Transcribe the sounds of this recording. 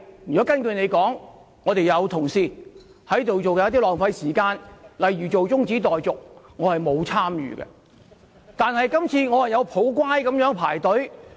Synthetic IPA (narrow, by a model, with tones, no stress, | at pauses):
jy˨˩ɔ˨˥kɐ˥nkɵ˧ne˨˧jkɔː˨˥ŋː | ɔː˨˧t̪e˨jɐ˨˧wt̪ʰʊ˨˩ŋsiː˧ | hɐ˨˥jt̪o˨wt͡so˨wkɛ˧˥t̪̬ːiː˥lɔː˨ŋfɐ˧jsiː˨˩kaː˧nlɐ˨jɥyː˨˩t͡so˨wt͡sʊ˥ŋt͡siː˨˥t̪ɔː˨jt͡sʊ˨k̚ | ŋɔː˨˧hɐ˨jmo˨˧wt͡sʰaː˥mjy̰ː˨ɡɛ̰˧ | t̪aː˨nhɐ˨jkɐ˥mt͡sʰiː˧ŋɔː˨˧hɐ˨jɐ˨˧wpʰo˨˥wkʷaː˥jkɐ˨˥mjœː˨˥ŋpʰaː˨˩jt̪ɵ˨˥ɥ